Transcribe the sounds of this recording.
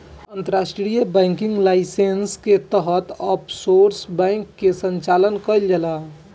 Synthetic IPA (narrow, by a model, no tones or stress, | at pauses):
ənt̪əɾasʈɾijəbɛ̃ŋkiŋɡlaɪsensket̪əɦət̪əpsoɾsbɛ̃ŋkːesəɲt͡ʃalənkəjld͡ʒəla